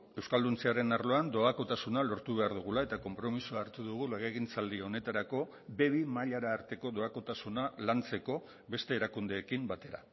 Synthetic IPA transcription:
e̞wskald̪unt͡siaɾe̞naɾlo̞and̪o̞ako̞t̪asunalo̞ɾt̪uβ̞e̞aɾðuɣ̞ulae̞t̪ako̞mpɾo̞misuaːɾt̪uðuɣ̞uleɣeɣint͡sald̪io̞ne̞t̪aɾako̞ | be̞βimaʎaɾaːɾt̪e̞ko̞do̞ako̞t̪asunalant͡se̞ko̞ | βe̞st̪e̞ːɾakund̪e̞ːkimbat̪e̞ɾa̰

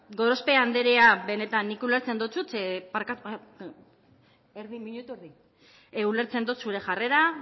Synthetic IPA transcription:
ɡo̞ɾo̞spe̞and̪e̞ɾeabe̞ne̞t̪anːikuleɾt͡se̞nd̪ot͡sut̪epaɾkat̪u | eɾðimiɲut̪ueɾði | eule̞ɾt͡se̞nd̪ut̪suɾe̞xʝare̞ɾa

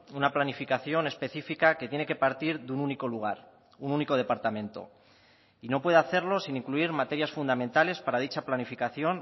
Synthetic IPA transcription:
unaplanifikaθjo̞ne̞spe̞θifikake̞t̪je̞ne̞ke̞paɾt̪iɾðununiko̞luɣ̞aɾ | ununiko̞ð̞e̞paɾt̪amẽ̞nt̪o̞̰ | ino̞pwe̞ðaθe̞ɾlo̞siniŋkluiɾmat̪e̞ɾjasfund̪amẽ̞nt̪ale̞spaɾaðit͡ʃaplanifikaθjo̞n

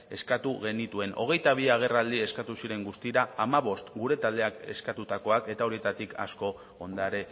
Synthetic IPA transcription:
e̞skat̪uɣe̞nit̪ue̞nʔo̞̰ɣ̞e̞jt̪aβ̞iaɣ̞e̞rald̪ie̞skat̪usiɾe̞ŋɡust̪iɾaamaβ̞o̞st̪ɡuɾe̞t̪ald̪e̞ake̞̰skat̪ut̪ako̞ake̞t̪aoɾie̞t̪at̪ikʰa̰sko̞ | ond̪aɾe̞

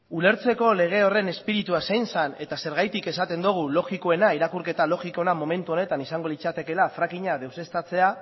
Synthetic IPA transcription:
ule̞ɾt͡se̞ko̞le̞ɣ̞e̞o̞re̞ne̞spiɾit̪uasejnsane̞t̪ase̞ɾɣ̞ajt̪ike̞sat̪e̞nd̪uɣ̞ulo̞ɣikoe̞naiɾakuɾke̞t̪alo̞ɣikonamo̞me̞nt̪uo̞ne̞t̪anisaŋɡo̞lit͡sat̪e̞ke̞lafɾakiɲað̞e̞wse̞st̪at͡se̞a

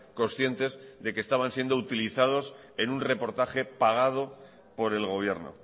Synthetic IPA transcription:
ko̞nsθje̞nt̪e̞zðe̞kest̪aβ̞ansje̞nd̪out̪iliθað̞o̞s | e̞nunre̞po̞ɾt̪aχe̞paɣ̞að̞o̞ | po̞ɾe̞lɣo̞β̞je̞ɾno̰

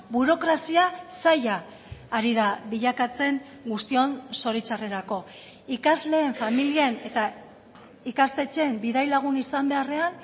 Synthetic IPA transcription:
buɾo̞kɾasiasajaː | ɾið̞aβiʎakat͡se̞ŋ | ɡust̪io̞nso̞ɾit͡sare̞ɾako̞ | ikazle̞ːɱfamiliene̞t̪a | ikast̪e̞t͡ʃe̞mbiðajlaɣ̞unisambe̞are̞an

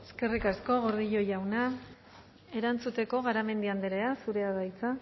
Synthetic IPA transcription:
e̞ske̞rikasko̞ɣo̞ɾðiʎo̞jawna | e̞ɾant͡sut̪e̞ko̞ɣaɾame̞nd̪iand̪eɾeasuɾe̞aðajt͡sa

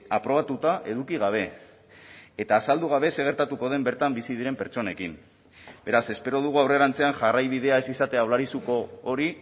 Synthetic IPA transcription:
apɾo̞β̞at̪ut̪aʔe̞ðukiɣ̞aβ̞e̞ | t̪aːsald̪uɣ̞aβe̞se̞ɣ̞e̞ɾt̪at̪uko̞ð̞e̞mbe̞ɾt̪ambisiðiɾe̞mpe̞ɾt͡ʃo̞ne̞kim | be̞ɾase̞spe̞ɾo̞ð̞uɣuawre̞ɾant͡se̞anʝarajβið̞e̞ae̞sisat̪e̞awlaɾisuko̞ːɾi

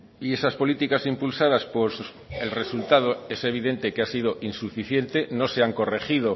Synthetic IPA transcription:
ie̞saspo̞lit̪ikasimpulsaðaspos | e̞lre̞sult̪að̞oe̞se̞β̞iðe̞nt̪e̞keasið̞o̞ʔinsufiθje̞nt̪e̞no̞se̞aŋko̞re̞xið̞o̞

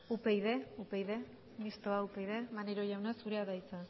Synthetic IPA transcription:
upejðe̞upe̞jðe | mist̪oaupejðe̞maneɾo̞ʝawnasuɾeaðajt͡sa

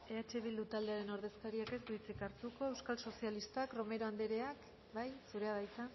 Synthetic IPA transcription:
e̞at͡ʃe̞β̞ild̪ut̪ald̪e̞aɾe̞no̞ɾð̞e̞skaɾiake̞sdut͡sikaɾt̪uko̞e̞wskalso̞sialist̪akro̞me̞ɾo̞and̪eɾe̞ak | bajsuɾe̞aðajt͡san

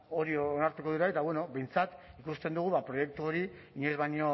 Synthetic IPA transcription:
o̞ɾioonaɾt̪uko̞ðiuɾaet̪aβwe̞no̞be̞jnt͡sat̪ | ikust̪e̞nd̪uɣ̞uβapɾo̞je̞k̚t̪uo̞ɾi | iɲezβajɲo̞

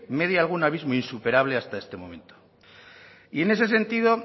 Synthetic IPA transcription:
me̞ðjalɣ̞unaβ̞izmoinsupe̞ɾaβ̞le̞ast̪ae̞st̪e̞mõ̞̰me̞nt̪o̥ | ie̞ne̞s̬e̞se̞nt̪iðo̞

